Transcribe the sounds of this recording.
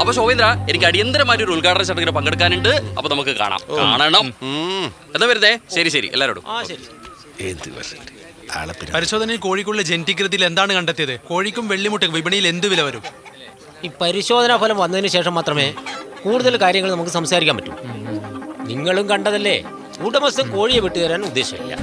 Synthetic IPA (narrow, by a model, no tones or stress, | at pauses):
ɐpːoːɕoːʋind̪ɾaenikʲːɐɽijɐnd̪ɐɾɐmaːɾioɾuuɭkaːʈɐnɐt͡ɕɐʈːɐɣɐɾɐpɐŋɡeɽɨkːaːnuɳɖɨɐpːoːnɐmukːɨka̰ːɳa̰ːmka̰ːɳeɳɐm | enːɐʋɐɾɐt̪ːeɕɐɾiɕɐɾḭʔḛlːaːɾoːɽṵmaːɕɐɾi | end̪ɨɐ̰ɐd | a̰ːɭɐpːinpɐɾiɕoːd̪ɐnɐilko̞ːɻikʲːuɭːɐd͡ʑend̪ik̬ɾɨðijile̞nd̪aːɳɨkɐɳɖet̪ːijɐðɨko̞ːɻikʲːumʋeɭːimuʈːikɐʋibɐɳijile̞nd̪uʋilɐʋɐɾum | iːpɐɾiɕo̞ːd̪ʱɐnɐfoːlɐmʋɐnːɐðinɨɕe̞ːʂɐmːaːt̪rɐme̞ːkuːɽuðɐlkaːɾjɐŋːɐɭnɐmukːɨsɐmsaːɾikʲːaːmɐtːṵm | niŋːɐɭumkɐɳɖɐðɐlːe̞̰ː | uːʈːɐmɐsɐmko̞ːɻijeʋiʈːɨðɐɾaːnud̪ːe̞ːɕɐkɐ̰ḭlːɐ̰